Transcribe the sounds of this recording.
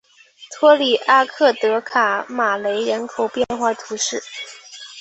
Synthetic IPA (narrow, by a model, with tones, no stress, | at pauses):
t̪ʰwɔ˥li˨˩ʔa˥kʰɤ˥˩t̪ɤ˧˥kʰa˨˩ma˨˩le˧˥ɪɻə˧˥nkʰo˨˩ʊpjɛ˥˧nxwa˥˩t̪ʰu˧˥ʂɻ̩˥˩